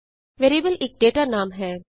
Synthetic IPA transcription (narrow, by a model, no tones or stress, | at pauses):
ʋeːɾibəleːk̚ɖeːʈanãːmɦɛː